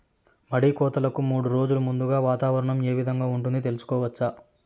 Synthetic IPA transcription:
mɐɽikɔːt̪ɐlɐkumuːɽuɾo̞ːd͡ʒulumund̪uɡaːʋaːt̪aːʋɐɾɐɳɐme̞ːʋid̪ʱɐŋɡaːuɳʈund̪it̪e̞lusu̥kɔːʋɐt͡ʃːaː

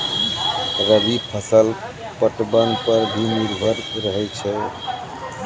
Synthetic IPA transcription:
ɾəbipʰəsəl | pəʈbənpəɾbʱiniɾbʱəɾɾəɦɛt͡ʃʰɛ

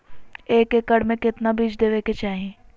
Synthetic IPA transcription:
eːkekəɽmẽkɪt̪nabiːd͡ʒd̪eːʋeket͡ʃaːɦẽː

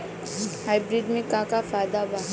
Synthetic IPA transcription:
ɦaːɪbɾɪɖmẽkãːkafaːd̪aʋa

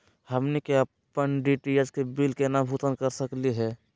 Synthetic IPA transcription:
həmnikeə | pənɖiʈijəd͡ʒkebilkenabʱut̪ənkəɾsəkliɦɛː

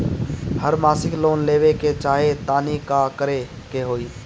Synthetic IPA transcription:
həɾmaːsɪkloːnleːʋeket͡ʃaːɦet̪aːnikakəɾe | keɦoːiː

